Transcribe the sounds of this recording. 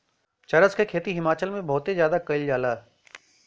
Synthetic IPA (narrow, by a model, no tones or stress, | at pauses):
t͡ʃɐɾəskekʰeːt̪iɦɪmaːt͡ʃəlmẽbʱɔːt̪ezjaːd̪akɐɪld͡ʒaːlaːɛ